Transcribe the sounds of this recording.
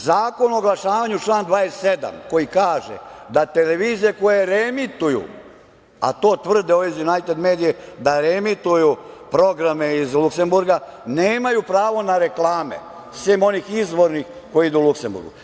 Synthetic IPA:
zaːko̞nooɡlˠaʃaːʋaɲut͡ʃlˠaːnd̪ʋaːessed̪a̰mko̞jikaːʒḛd̪at̪ele̞ʋiːzijeko̞jeɾemit̪ujṵ | a̰t̪o̞ːt̪ʋr̩d̪eoizjunajt̪ed̪me̞ːd̪ijed̪aɾemit̪ujupɾo̞ɡɾameizlˠukse̞mbuɾɡaneːmajupɾaːʋo̞naɾe̞klˠaːmḛ | sʋiːmo̞niːxizʋo̞ɾnix | ko̞jiid̪uːlukse̞mbṵɾɡṵ

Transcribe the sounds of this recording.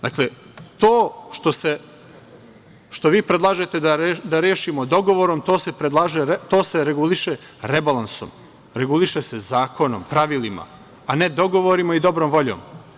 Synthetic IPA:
d̪akle | t̪oːʃt̪o̞se̞ | ʃt̪o̞ʋiːpɾed̪lˠaːʒet̪ed̪aɾd̪aɾeːʃimod̪o̞ɡo̞ʋo̞ɾomt̪o̞ːse̞pɾed̪lˠaːʒeɾet̪o̞ːseɾeɡuliʃe | ɾebalˠanso̰m | ɾeɡuliʃesezaːko̞no̰mpɾaʋilima̰ | ane̞d̪o̞ɡo̞ʋoɾimaid̪o̞bɾomʋo̞ʎo̰ːm

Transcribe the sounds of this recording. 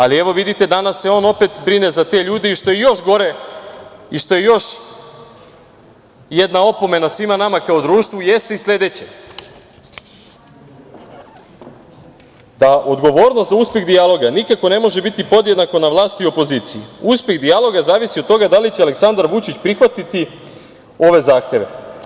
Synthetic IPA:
alieʋo̞ʋid̪it̪e̞d̪anasːeo̞ːno̞pe̞t̪bɾinezat̪e̞ʎuːd̪eiʃt̪o̞jejo̞ʃɡo̞ɾe̞ | iʃt̪o̞jejo̞ʃ | jed̪nao̞po̞me̞nasʋimanamakaod̪ɾuːʃt̪ʋujest̪eislʲe̞d̪et͡ɕe | d̪aʔo̞d̪ɡo̞ʋoːɾnost̪zauːspʲje̞ɣd̪ijalˠo̞ɡanikako̞ne̞mo̞ʒebit̪ipo̞d̪jed̪nako̞naʋlˠaːst̪io̞po̞ziːt̪sijḭuspe̞ɣd̪ijalˠo̞ɡazaːʋisiot̪o̞ɡad̪alit͡ɕealeksand̪aɾʋut͡ʃit͡ɕpɾixʋat̪it̪i | o̞ʋe̞zaːxt̪e̞ʋḛ

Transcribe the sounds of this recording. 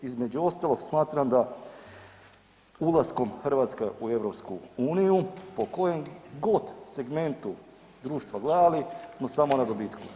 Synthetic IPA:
izme̞d͡ʑuo̞st̪alˠo̞ɡsmaːt̪ɾamd̪a | ulˠasko̞mxrɾʋaːt̪skeʔue̞ʋɾo̞pskuuːnijupo̞ko̞jemɡo̞t̪se̞ɡme̞nt̪u | d̪ɾuːʃt̪ʋaɡlˠaːlismo̞samo̞nad̪obiːt̪ku

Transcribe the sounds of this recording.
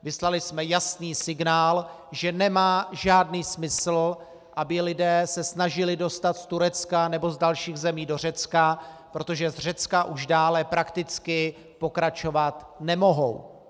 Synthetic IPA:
vɪslalɪsmɛjasniːsɪɡnaːl | ʒɛnɛmaːʒaːdniːsmɪsl̩ | ʔabɪlɪdɛːsɛsnaʒɪlɪdo̞st̪at̪st̪uɾɛt͡skanɛbo̞zdalʃiːɣzɛmiːdo̞r̝ɛt͡skapɾo̞t̪o̞ʒɛzr̝ɛt͡skaʔuʒdaːlɛpɾakt̪ɪt͡skɪ | po̞kɾat͡ʃo̞vat̪ | nɛmo̞ɦo̞̰w

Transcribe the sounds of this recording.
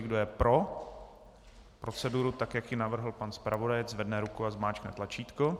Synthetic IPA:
ɪɡdojɛpɾo̞ | pɾʔot͡sɛduɾut̪akjakjɪnavr̩ɦl̩panspɾʔavo̞dajɛd͡zzvɛdnɛɾukuazmaːt͡ʃknɛt̪lat͡ʃiːt̪ko

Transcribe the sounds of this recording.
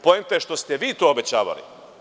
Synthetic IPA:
pojemt̪aʃt̪o̞st̪ɛʋiːt̪oːobet͡ɕa̰ːʋa̰lḭ

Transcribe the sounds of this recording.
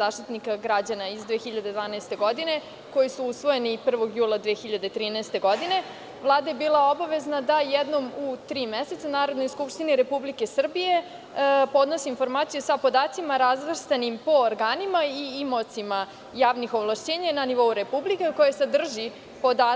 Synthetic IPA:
zaːʃt̪it̪nikaɡɾad͡ʑanaizd̪ʋeːxiʎad̪e̞d̪ʋaːnɛest̪e̞ɡo̞d̪ine̞ | ko̞jisuusʋo̞je̞nipr̩ʋo̞ɡjuːlˠad̪ʋeːxiʎad̪et̪ɾiːnɛest̪e̞ɡo̞d̪ine̞ | ʋlˠaːd̪ajebiːlˠao̞baʋe̞znad̪ajɛd̪no̞mut̪ɾiːmeset̪sanaːɾo̞d̪no̞jskupʃt̪iniɾe̞publike̞sr̩bije̞ | po̞d̪nosiːnfo̞ɾmaːt̪sijusapo̞d̪aːt̪simaɾazʋr̩st̪animpo̞ːɾɡaːnimaiimot̪sima | jaːʋnixo̞ʋlˠaʃt͡ɕeːɲananiʋo̞uɾepublikeko̞jased̪r̩ʒi | pod̪aː

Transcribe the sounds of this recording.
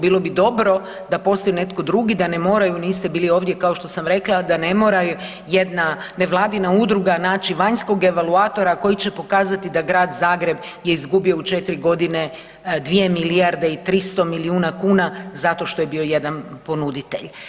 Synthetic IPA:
biːlˠo̞bid̪o̞bɾo̞ | d̪apo̞st̪ojune̞t̪ko̞d̪ɾuɡid̪ane̞mo̞ːɾajuniːst̪e̞biːlio̞ːʋd̪je̞kao̞ʃt̪o̞samɾe̞klˠad̪ane̞mo̞ːɾaj | jed̪nane̞ʋlˠaːd̪inaud̪ɾuɡanaːt͡ʃiʋaɲsko̞ɡe̞ʋalˠuaːt̪o̞ɾako̞jit͡ɕe̞po̞kaːzat̪id̪aɡɾaːd̪zaːɡɾe̞b | je̞izɡubio̞ut͡ʃe̞t̪iɾiɡo̞d̪ine̞ | d̪ʋije̞miliaɾd̪eit̪ɾist̪o̞miliuːnakuːnazat̪o̞ʃt̪o̞je̞bio̞je̞d̪anpo̞nud̪it̪eʎ

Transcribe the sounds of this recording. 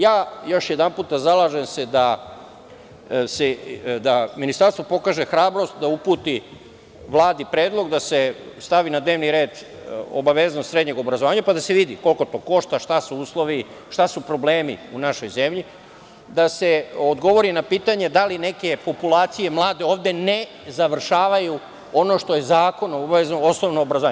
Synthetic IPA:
jaːjo̞ʃjed̪anpuːt̪̚d̪azalˠaːʒemse̞d̪a | sed̪aminist̪aɾst̪ʋopo̞kaːʒexɾaːbɾo̞st̪̚d̪aupuːt̪i | ʋlˠaːd̪ipɾeːd̪lˠo̞ɡd̪asest̪aʋinad̪ne̞ʋniɾe̞ːd̪ | o̰baʋeznost̪sɾe̞d̪ɲe̞ɡo̞bɾazoaːɲapad̪ase̞ʋid̪ḭko̞lko̞t̪o̞ko̞ʃt̪aʃt̪asuuːslˠo̞ʋi | ʃt̪asupɾo̞ble̞ːmḭunaʃo̞jze̞mʎi | d̪ase̞od̪ɡo̞ʋo̞ɾinapiːt̪aɲe̞d̪aline̞ke̞po̞pulaːt̪sije̞mlˠaːd̪e̞o̞ːʋd̪e̞ne | zaʋr̩ʃaːʋaju | o̞no̞ʃt̪o̞je̞zaːko̞noobaeznoosnoʋnoːbɾazoaɲ

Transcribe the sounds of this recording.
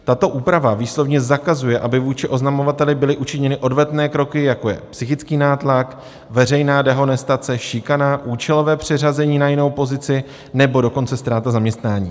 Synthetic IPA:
t̪at̪o̞ʔuːpɾavaviːslo̞vɲɛzakazujɛʔabɪvuːt͡ʃɪʔo̞znamo̞vat̪ɛlɪbɪlɪʔut͡ʃɪɲɛnɪʔo̞dvɛt̪nɛːkɾo̞kɪjako̞jɛ̰psɪxɪt͡skiːnaːt̪lak | vɛr̝ɛjnaːdɛɦo̞nɛst̪at͡sɛʃɪkanaʔuːt͡ʃɛlo̞vɛːpr̝̥ɪr̝azɛɲiːnajɪno̞wpo̞zɪt͡sɪ | nɛbo̞do̞ko̞nt͡sɛst̪ɾaːt̪azamɲɛst̪naːɲḭː

